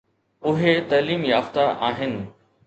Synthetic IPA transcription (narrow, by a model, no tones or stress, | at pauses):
ʊɦet̪ɐːliːmjaːft̪aʔaːɦɪnɪ̆